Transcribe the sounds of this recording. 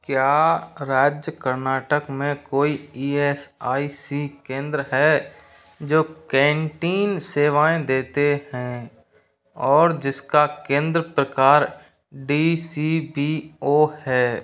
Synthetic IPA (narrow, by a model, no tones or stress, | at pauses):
kjaːɾaːd͡ʒjəkəɾnaːʈəkmẽkoːiiːɛːsaːisikẽːnd̪ɾəɦɛː | d͡ʒoːkɛ̃ːɳʈiːnseːʋaːẽd̪eːt̪eɦɛ̃ | ɔːɾd͡ʒɪskakẽːnd̪ɾəpɾəkaːɾ | ɖisibioːhɛː